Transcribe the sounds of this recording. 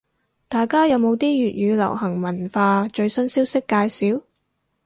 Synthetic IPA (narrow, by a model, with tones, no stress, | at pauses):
t̪aː˨jkaː˥jɐ˨˧wmo˨˧wt̪iː˥jyː˨t̚jyː˨˧lɐ̰˨˩whɐ˨˩ŋmɐ˨˩nfaː˧t͡ʃɵ˧ɥsɐ˥nsiː˥wsɪ˥kːaː˧jsiː˨˥w